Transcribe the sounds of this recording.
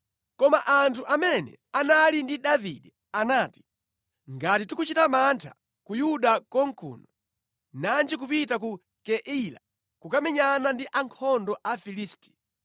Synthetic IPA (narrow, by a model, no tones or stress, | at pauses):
kɔmaʔantʰuʔamɛnɛ̰analindiɗavḭɗɛ | anaːti̥ | ŋɡatitukut͡ʃitamantʰa̰ | kujuɗakɔŋkʰṵːnɔ | nand͡ʒik̬upitaku | kɛʔila̰ | kukamɛɲanandiʔaŋkʰɔndɔʔafiliːsti̥